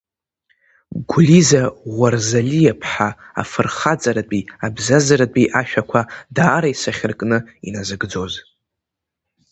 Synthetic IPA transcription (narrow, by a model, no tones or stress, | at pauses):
ɡʷlizaʁʷarzalijapʰħaa̰fɨrχat͡sʼaɾat͡pʼiabzazaɾat͡pʼiʔaʃᶣakʷʰadaːɾaisaχʲɪrkʼnɨinazɨɡd͡zo̞z